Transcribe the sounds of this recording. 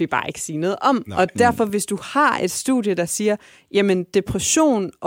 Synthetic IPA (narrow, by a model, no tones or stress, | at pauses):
ib̥ɑ̰̈ːe̝ɡ̥ə̥siːnɔ̽ːð̩ˠɒ̽mɒ̽d̥æɐfɒ̽ʋe̝sd̥uhɑ̈e̝d̥sd̥ṵðˠjəd̥ɑ̈siːɐ | jæmənd̥e̝pʰʁɛɕo̝̰ːnʔɒ